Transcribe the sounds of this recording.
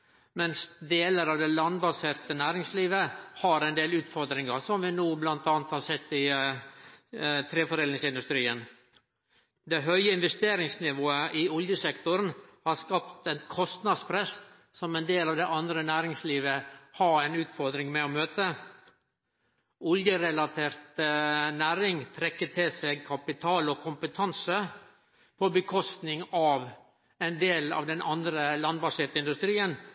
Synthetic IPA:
mɛnsd̪eːləɾɑʋd̪ɛlɑnbɑseːɾt̪ənæːɾɪŋsliːʋəhɑɾɛɪnd̪eːlʉːt̪fɔɾd̪ɾɪŋɑsɔmʋɪnuːblɑnt̪ɑːnət̪hɑsɛt̪ːɪ | t̪ʰɾeːfɔɾeːlnɪŋsɪnd̪ʉst̪ɾiːən | d̪ɛɦœʏəɪnʋɛst̪eːɾɪŋsnɪʋoːəʔɪɔljəsɛkt̪ʊɾnhɑɾskɑpt̪ænkʰɔst̪nɑd̪spʰɾɛs | sɔmɛnd̪eːlɑːʋd̪ɛʔɑnd̪ɾənæːɾɪŋsliːʋəhɑɾɛnʉːt̪fɔɾd̪ɾɪŋmɛɔmøːt̪ə | ɔljəɾɛlɑt̪ʰeːɾt̪næːɾɪŋt̪ʰɾɛkːət̪ʰɪlseɡ̚kʰɑpɪt̪ʰɑːlɔkʰʊmpət̪ʰɑnsə | pʰɔbəkʰɔst̪nɪŋɑʋ | ɛnd̪eːlɑ̰ːʋd̪ɛnʔɑnd̪ɾəlɑnbɑsɛːt̪əɪnd̪ʉst̪ɾiːən

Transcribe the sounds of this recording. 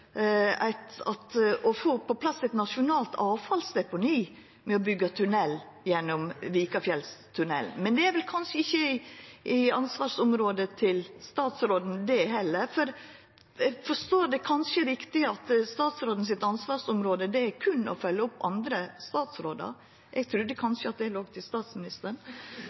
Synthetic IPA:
æ̰ɪt̪ɑ̰t̪ʔɔfoːpɔpʰlɑsːɛɪt̪nɑʂʊnɑːlt̪ʰɑːʋfɑlsd̪ɛpʊniː | mɛɔbʏɡːɑt̪ʰʉnɛlː | jɛnːɔmʋiːkɑfjɛlst̪ʰʉnɛ̰ln̩mɛnd̪ɛæɾʋɛlkʰɑnʂəɪçːəɪɪɑnsʋɑːɾsʊmɾoːd̪ət̪ʰɪlst̪ɑːt̪sɾoːd̪n̩d̪ɛɦɛlːəɾfɔɾ | ɛfɔʂt̪oːɾd̪ɛkʰɑnʂəɾɪkt̪ɪɑt̪st̪ɑːt̪sɾoːd̪n̩s̬ɪt̪ːɑnsʋɑːʂʊmɾoːd̪əd̪ɛæɾkʰʉnːɔ̰fœlːəɔpːɑ̰nd̪ɾəst̪ɑːt̪sɾoːd̪ɑ̰ɾ | ʔɛɡ̚t̪ʰɾʉd̪ːəkʰɑnʂəɑt̪̚d̪ɛloːɡt̪ʰɪst̪ɑːt̪smɪnɪst̪əɳ

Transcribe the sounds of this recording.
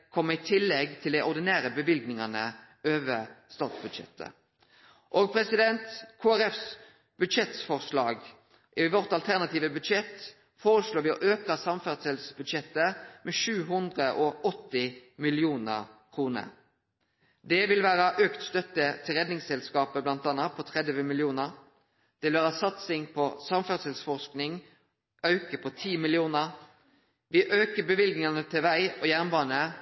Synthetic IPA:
kʰɔmːəɪt̪ʰɪlːɛɡt̪ʰɪld̪ɛɪʔɔʁd̪ɪnæːʁəbəʋɪlɡnɪŋɑnə | ʔøːʋəst̪ɑːt̪sbʉd̪ʃɛ̰t̪ʰːə̰ | ʔoːɡ̚pʰɾɛsɪd̪ɛnt̪kʰoːæʁɛfs | b̥ʉd̪ʃɛt̪fɔʁslɑːɡ | ʔɪʋɔʁt̪ɑlt̪ʰæʁnɑt̪iːʋəbʉd̪ʃɛt̪ | foːʁəsloːʋɪɔʔøːkəsɑmfæʁsɛlsbʉd̪ʃɛt̪ːəmɛʃʉːɦʉnd̪ʁəʔɔʔɔt̪ːɪmɪlɪuːnə̰ʁkʰʁuːnə̰ | d̪ɛʋɪlʋæːʁəʔøːkt̪st̪œt̪ːət̪ʰɪlʁɛd̪nɪŋsɛlskɑːpəblɑnt̪ɑːnɑpʰɔt̪ʰʁɛd̪ʋəmɪlɪuːnəʁ | d̪̥ɛʋɪlʋæːʁəsɑt̪sɪŋpʰɔsɑmfæʁd̪sɛlsfɔʁsknɪŋ | œʉkəpʰɔt̪ʰiːmɪlɪuːnə | ʋɪʔøːkəbəʋɪlɡnɪŋɑnət̪ʰɪʋæɪɔjæʁnbɑːnə

